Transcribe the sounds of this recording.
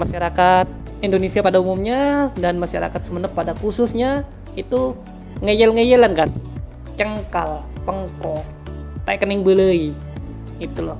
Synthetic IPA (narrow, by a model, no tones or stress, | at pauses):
maʃaɾakat̪̚ | indonesiapadaumumɲadanmaʃa̰ɾa̰kat̪səmənəpːadakusʊsɲa | it̪u | ŋəjəlŋəjəlanɡas | t͡ʃəŋkalpəŋkɔ | t̪aikənɪŋbələi | it̪ulɔh